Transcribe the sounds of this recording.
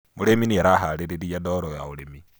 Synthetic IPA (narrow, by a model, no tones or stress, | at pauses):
moɾeminiɛɾaɦaɾeɾeɾiadɔɾɔjaoɾemi